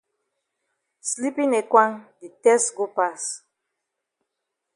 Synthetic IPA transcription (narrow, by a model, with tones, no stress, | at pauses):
sli˦pĩ˦ne˨kwã˦ŋdi˨tɛ˦stɡo˦pas